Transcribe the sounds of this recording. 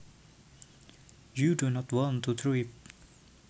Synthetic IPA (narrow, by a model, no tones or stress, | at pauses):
judunɔtwɔ̃ntʰut̪ʰɹip̚